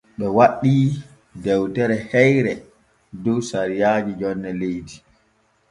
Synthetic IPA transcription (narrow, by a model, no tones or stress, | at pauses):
ɓɛwaɗːiː | dɛwtɛɾɛhɛjɾɛ | dɔsaɾijaːd͡ʒid͡ʒɔnːɛlejdi